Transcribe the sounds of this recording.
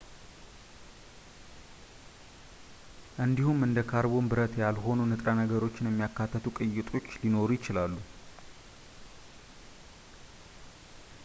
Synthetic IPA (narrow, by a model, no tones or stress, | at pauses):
ʔɨnd̪ihumɨnd̪əkʰaɾβo̞nbɨɾət̪jalɦo̞nunɨt̪ʼɾanəɡəɾo̞t͡ʃːɪnjɛmːijakːat̪ʰːət̪ʰukʼɨjːɪt̪ʼo̞t͡ʃːlino̞ɾujɪt͡ʃɪlalːu